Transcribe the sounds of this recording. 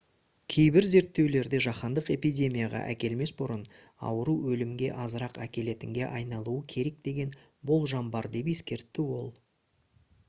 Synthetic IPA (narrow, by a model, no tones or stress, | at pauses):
kʲʰe̞jbɪɾze̞ɾt̪ːe̞wle̞ɾd̪e̞ʒɑχɑnd̪əqe̞pijdʲe̞mʲijaʁɑ̰ʔæ̰kʲe̞lme̞sbʊɾən | ɑ̰wəɾuwɵlɪmɡʲe̞ʔɑzəɾɑqækʲe̞le̞t̪ɪŋɡʲe̞ʔɑjnɑlˠuəkʲʰe̞ɾe̞k̚d̪e̞ɡʲe̞n | bo̞lˠʒɑmbɑɾd̪e̞pe̞skʲe̞ɾt̪ːɪwo̞lˠ